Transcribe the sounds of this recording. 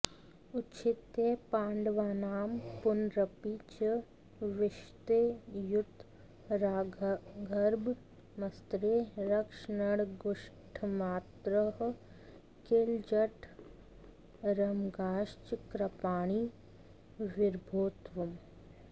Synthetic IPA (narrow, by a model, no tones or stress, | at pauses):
ʊtːt͡ʃʰɪt̪epaːɳɖʋaːnaːmpʊnɾɐpit͡ʃə | ʋɪʃt̪eːjʊt̪ː | ɾaːɡʱɐɾb | mɐst̪ɾeɾɐkʃnəɽɡʊʃʈʰmaːt̪ɾəɦ | keːld͡ʒɐʈʰ | ɾɐmɡaːʃt͡ʃkɾɐpaːɽ̃i | ʋɪɾbʱoːt̪ʋɐm